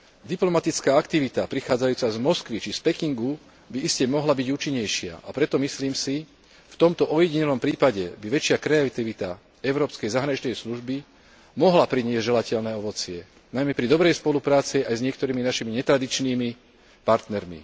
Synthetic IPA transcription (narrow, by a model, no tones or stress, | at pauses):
d̪iplɔmat̪it͡skaːakt̪iʋit̪apɾixaːd͡zajuːt͡sazmɔskʋit͡ʃispɛkiŋɡu | biiscɛmɔɦlabiɟuːt͡ʃiɲːɛjʃɪa̰ʔapɾɛt̪ɔmisliːmsi | ft̪ɔmt̪ɔʔɔjɛɟiɲɛlɔmpɾiːpaɟɛbiʋɛt͡ʃɪakɾɛat̪iʋit̪a | ɛʊɾɔːpskɛjzaɦɾaɲit͡ʃnɛjsluʒbi | mɔɦlapɾiɲɪɛzɟʒɛlacɛʎnɛːɔʋɔt͡sɪɛ | najmɛpɾid̪ɔbɾɛjspɔlupɾaːt͡siajzɲɪɛkt̪ɔɾiːminaʃimiɲɛt̪ɾad̪it͡ʃniːmi | paɾt̪nɛɾmḭ